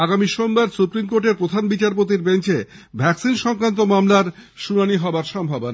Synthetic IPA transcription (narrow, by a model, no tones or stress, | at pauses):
aɡamiʃombaɾsupɾimkoɾʈeɾpɾod̪ʱanbit͡ɕaɾp̬ot̪iɾbent͡ɕebʱɛksinʃɔŋkɾant̪omamlaɾʃunaniɦɔaɾʃɔmbʱabona